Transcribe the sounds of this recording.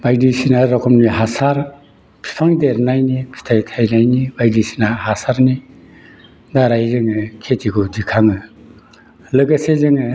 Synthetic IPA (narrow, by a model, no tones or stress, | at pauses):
bajdisinaɾakʰɔmniɦasaɾ | pʰi̥pʰaŋdeɾnajnipʰi̥tʰajtʰajnajnibajdisinahasaɾni | daɾajzɯŋɯkʰetʰiɡɔdikʰaŋɯ | lɯɡɐsezɯŋɯ